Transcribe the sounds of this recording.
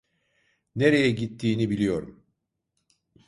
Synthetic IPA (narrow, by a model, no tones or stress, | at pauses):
ne̞ɾe̞jɛɟit̪ʰːiːnibilʲijo̞ɾum